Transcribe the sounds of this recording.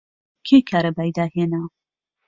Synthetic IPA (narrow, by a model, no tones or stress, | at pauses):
kʲʰekʰaːɾɐbaːjd̪aːheːna